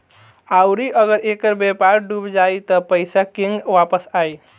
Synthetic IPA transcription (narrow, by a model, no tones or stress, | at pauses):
awɾiʔəɡəɾekəɾbepaɾɖubd͡ʒajt̪ɔpəjsakiŋɡʋapəsaj